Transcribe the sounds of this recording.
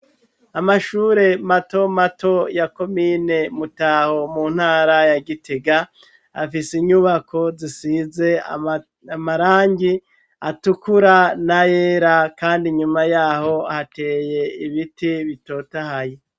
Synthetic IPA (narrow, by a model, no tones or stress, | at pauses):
amaʃuːɾe̞mato̞mato̞jako̞miːne̞mutaho̞muːn̥haːɾajaɡiteɡa | a̰fisiɲuβako̞zisize̞a̰ | amaɾaːɲɟi | atukuɾanajeːɾakaːndiɲumajaːho̞ahate̞ːje̞iβitiβito̞tahaje